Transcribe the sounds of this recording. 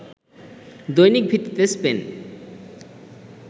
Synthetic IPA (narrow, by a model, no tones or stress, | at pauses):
d̪ojnik̚bʱit̪ːit̪espen